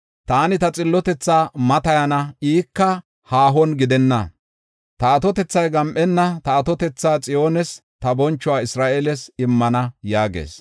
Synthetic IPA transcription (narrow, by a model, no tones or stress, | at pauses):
t̪aːnɪt̪ɐt͡sʼɪlːɔt̪ɛt͡sːaːmɐt̪ɐjɐnɐiːkːɐ | haːɦɔnɡɪd̪ɛnːɐ̰ | t̪ɐɐt̪ɔt̪ɛt͡sːɐjɡɐmʔɛnːɐt̪ɐːt̪ɔt̪ɛt͡sːaːt͡sʼɪjo̞ːnɛst̪ɐbɔnt͡ʃːɔʊwaːɪsɾaːʔelɛsɪmːɐnɐjaːɡḛːs